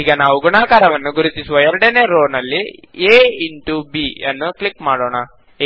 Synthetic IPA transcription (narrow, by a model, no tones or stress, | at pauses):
iːɡɐnaːʋuɡuɳaːkaːɾɐʋɐnːuɡuɾut̪isuʋɐjɐɾɽeneɾoːnɐlːieːiɳʈubiɐnːuklikmaːɽoːɳa